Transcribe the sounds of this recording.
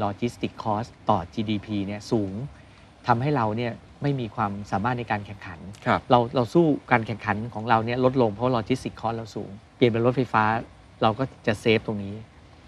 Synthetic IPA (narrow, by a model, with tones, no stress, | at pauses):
lɔː˧t͡ɕi˦˥st̪i˨˩kʰːɔː˦˥st̪ɔː˨˩t͡ɕiː˧diː˧pʰiː˧ni˥˩əsuː˩˦ŋ | t̪ʰa˧mɦa˥˩jɾa˧wni˥˩ɐ | ma˥˩jmiː˧kʰwaː˧msaː˩˦maː˥˩t̪̚na˧jkaː˧nkʰɛ˨˩ŋkʰa˩˦nʰ˧ɾa˧wɾa˧wsuː˥˩kaː˧nkʰɛ˨˩ŋkʰa˩˦nkʰɔː˩˦ŋɾa˧wni˥˩ɐlo˦˥t̪̚lo˧ŋpʰɔ˦waː˥lɔː˧t͡ɕi˦˥st̪i˨˩kʰːɔː˦˥s̚ɾa˧wsṵː˩˦ŋpi˨˩ənpa˧jɾo˦˥t̪̚fa˧jfaː˦˥ | ɾa˧wkɔː˥˩t͡ɕa˨˩seː˦˥p̚t̪o˧ŋniː˦˥